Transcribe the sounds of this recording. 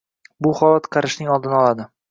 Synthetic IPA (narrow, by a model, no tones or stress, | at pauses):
bʊχɒlˠat̪qʰɑɾɪʃnɪŋɒlˠd̪ɪnɒlˠad̪ɪ